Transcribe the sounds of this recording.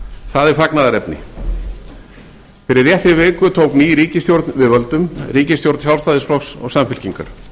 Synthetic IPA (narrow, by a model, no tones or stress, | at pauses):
θaðɪɾ̥faknaðaɾɛpnɪ̰ | fɪɾɪrjɛht̪ɾɪvɪːkʏt̪ʰowkniːjɾiːcɪst̪jowɾt̪nvɪvœlt̪ʏmriːcɪst̪jowɾt̪nsjawlst̪aːðɪsflɔxsɔ̰ɣsamfɪl̥ciŋka̰ɾ̥